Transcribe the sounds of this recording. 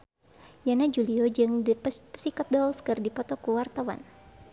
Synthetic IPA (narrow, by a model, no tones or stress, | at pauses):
janad͡ʒuliɔd͡ʒɨŋdppə̥sikap̚dɔlskɨrdipɔt̪ɔkuwart̪awa̰n